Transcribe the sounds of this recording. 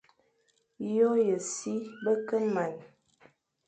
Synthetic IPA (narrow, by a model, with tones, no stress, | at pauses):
jo˦jə˨si˦bə˦kə˦ma˨n